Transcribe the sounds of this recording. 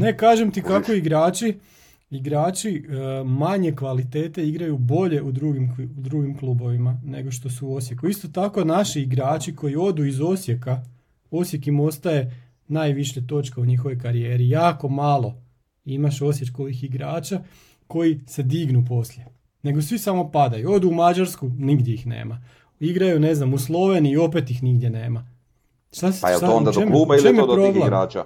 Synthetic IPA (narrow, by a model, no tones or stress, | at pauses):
ne̞kaːʒemt̪ikako̞iɡɾaːt͡ʃi | iɡɾaːt͡ʃimaɲe̞kʋalit̪e̞ːt̪e̞iɡɾajubo̞ʎe̞ʔud̪ɾuɡimd̪ɾuɡimklˠuːbo̞ʋimane̞̰ɡo̞ʃt̪o̞suo̞s̬je̞kuist̪o̞t̪ako̞naʃiːɡɾaːt͡ʃiko̞jio̞d̪uizo̞sje̞ka | o̞sje̞kimo̞st̪aje̞ | naːjʋiʃet̪o̞t͡ʃkeuɲixo̞ʋo̞jkaɾije̞ːɾijaːko̞malˠo̞ | imaʃo̞sjet̪ko̞ʋixiɡɾaːt͡ʃa | ko̞jise̞d̪iɡnup̬o̞slje | ne̞ɡo̞sʋisamo̞pad̪ajuo̞d̪uːmad͡ʒaɾskuniɡd̪ʲjeixnḛːma | iɡɾajune̞znamuslˠo̞ʋe̞niːo̞pet̪jixniɡd̪jene̞ːma | ʃt̪asɛ̰and̪t͡ʃemuːbat͡ʃemepɾoɡlˠaa̰ːa̰